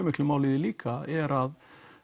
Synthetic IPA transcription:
mɪkʰlɪmoːlɪðɪliːkʰaɛɾað

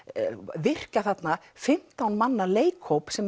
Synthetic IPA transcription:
vɪr̥kaθat̪na | fɪm̥t̪awnmanːaleːjkhowpsɛm

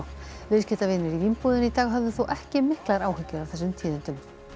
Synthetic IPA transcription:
vɪ̥s̬cɛt̪avɪnːɪɾivinpuːðʏnit̪aːɣɦœvðʏθuwʔɛhcɪmɪhklaɾaːwhɪcːʏɾawθɛsːʏmt̪ʰiːðɪnt̪ʏm

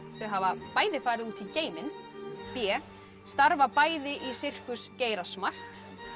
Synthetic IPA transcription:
θœɥɦavapaːjðɪfaːjɾɪðuːt̪ʰiceːjmɪnpjɛː | st̪aɾvapaːjðɪʔisɪr̥kʏsceːjɾasmar̥t̪

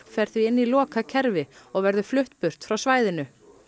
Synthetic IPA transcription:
pfɛɾθiɪnːilɔːkacʰɛɾvɪɔɣvɛɾðʏflʏht̪pʏr̥t̪fɾawsvaːjðɪnʏ

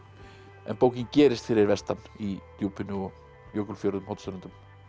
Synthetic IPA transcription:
ɛ̰npoːwcɪncɛːɾɪst̪fɪɾɪɾvɛst̪anit̪juːpɪnʏɔ | jowkʏlfjoɾðʏmhawt̪sʏɾʏnt̪ʏm

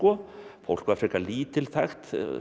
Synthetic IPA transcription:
ɔfo̰wl̥kaːfɾɪkaliːt̪ɪlθʰaxt̪

